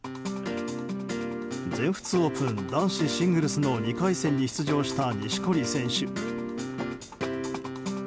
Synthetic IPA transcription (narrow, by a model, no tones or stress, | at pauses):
d͡zẽ̞ɰ̃ɸɯ̟̥t͡sɨo̞ːpɯ̃nd̪ãɰ̃ɕiɕĩŋɡɯ̟ɾɯ̟sɨno̞ɲʲikaisẽ̞ɲ̟ːiçi̥t͡sɨʑo̞ːɕi̥t̪aɲʲiɕi̥ko̞ɾʲisẽ̞ɰ̃ɕɨ